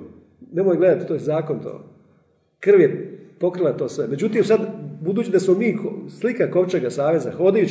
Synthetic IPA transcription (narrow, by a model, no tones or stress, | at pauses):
ne̞mojɡle̞d̪at̪i̥t̪ojezaːko̞nt̪o̰ː | kr̩ʋjepo̞kɾilat̪o̞ːsʋe̞me̞d͡ʑut̪iːmsad̪bud̪uːt͡ɕid̪asmo̞miːkslikako̞ʋt͡ʃeɡasaːʋe̞zaxo̞d̪aju